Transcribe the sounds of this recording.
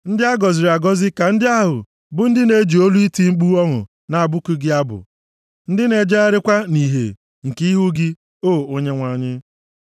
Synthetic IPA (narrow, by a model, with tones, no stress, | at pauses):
n̩˦dɪ˦a˦ɡɔ˨zɪ˨ɾa˨ɡɔ˦zɪ˦ka˨n̩˦dɪ˦a˦ɦʊ̰˨ | bʊ˦n̩˦dɪ˦ne˦d͡ʒi˨o˦lu˦i˦ti˦ŋ͡m̩˦k͡pu˦ɔ˦ɦʊ̰˨ | na˨a˨bʊ˦ku˦ɡɪ˦a˦bʊ̰˨ | n̩˦dɪ˦ne˨d͡ʒa˦a˦ɾɪ˦kʷa˦ni˨ɦḛ˨ | ŋ̩˨ki˦i˦ɦu˦ɡɪ˦ | o˦˨o˦ɲe˦ŋʷa˨ɲɪ˦